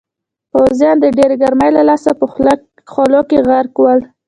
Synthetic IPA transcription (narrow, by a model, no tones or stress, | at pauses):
pawzjɑnd̪əɖeɾɡaɾməjlalɑsapə | xolokeɣaɾkwəl